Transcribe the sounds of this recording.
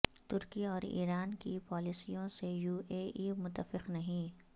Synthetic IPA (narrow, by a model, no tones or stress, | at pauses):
t̪ʊɾkiɔːɾḭːɾaːnkipɔːlisijõsejuːeːʔimʊt̪ːəfɪqnɐɦĩː